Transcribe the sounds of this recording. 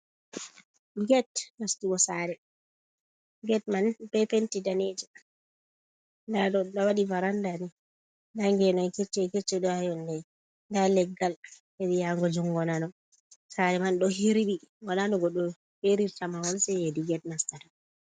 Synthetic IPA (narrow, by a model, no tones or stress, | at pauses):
ɡɛtnastuɔsaːɾɛ | ɡɛtmanbɛpentidaned͡ʒɛ | ndaɗɔɗawaɗivaɾandani | ndaŋɡɛnɔnkɛt͡ʃːɛkɛt͡ʃːɛɗɔhajɔndɛ | ndalɛɡalhɛdijaŋɡɔd͡ʒuŋɡɔnanɔ | saɾɛmanɗɔhiɾiɓiŋɡɔnanɔɡɔɗɔ | ɓeɾiɾtamawɔlsɛediɡɛtnastatɔ